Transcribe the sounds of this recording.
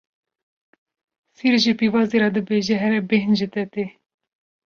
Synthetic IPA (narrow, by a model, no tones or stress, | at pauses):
siɾʒipivɑːzeɾɑd̪ɨbeːʒɛɦɛɾɛbeɦnd͡ʒit̪ɛt̪eː